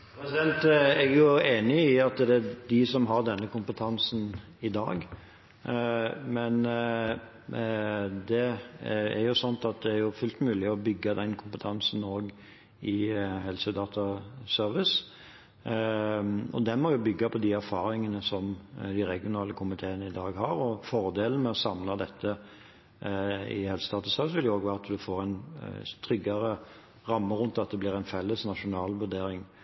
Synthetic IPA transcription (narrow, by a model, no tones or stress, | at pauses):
pɾɛsɪd̪ɛnt̪ɛɡjʊeːnɪɪɑt̪d̪ɛd̪ɪsɔmɦɑɾd̪ɛnːəkʊmpət̪ʰɑnsn | ɪd̪ɑ̰ːɡ | mɛn | d̪ɛ | æ̰ɾjʊsɔnt̪ɑt̪̚d̪ɛæɾjʊfʉlt̪mʉːlɪɔbʏɡːəd̪ɛnkʰʊmpət̪ʰɑnsn̩oːɡ | ɪhɛlsəd̪ɑːt̪ʰɑsœɾʋɪs | ɔd̪ɛnmɔjʊbʏɡːɑpʰɔd̪iæɾfɑːɾɪŋənəsɔmd̪ɪɾɛɡɪʊnɑːləkʰʊmɪt̪ʰeːənəɪd̪ɑːɡhɑɾɔfɔɾd̪eːlən̩mɛɔsɑmlɑd̪ɛt̪ʰːə | ɪ̰hɛlsəd̪ɑːt̪ɑsœəɾʋɪsʋɪljʊoːɡʋæːɾɑt̪d̪ʉfoːɾæɪnt̪ʰɾʏɡːɑɾə | ʁɑmːəɾʊnt̪ɑt̪̚d̪ɛblɪʁæɪnfɛlːəsnɑʂʊnɑːlʋʉd̪eːɾɪŋ